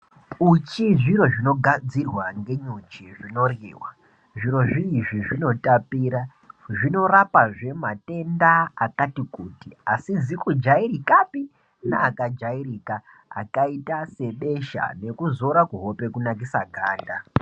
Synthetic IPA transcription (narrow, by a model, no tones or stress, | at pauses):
ut͡ʃiʐiɾo̞ʐino̞ɡʱad͡zirwaŋɡe̞ɲut͡ʃiʐino̞rḭːwa | ʐiɾo̞ʐiːʐiʐino̞tapiːɾa | ʐino̞rapaʐe̞mate̞ndaːkatikuːtiasid͡zikud͡ʒairikapi | na̰ːkad͡ʒairika̰ː | kaitase̞ɓe̞ʃa̰ne̞kuzo̞ɾakuɦo̞pe̞kunak̬isaɡʱaːnda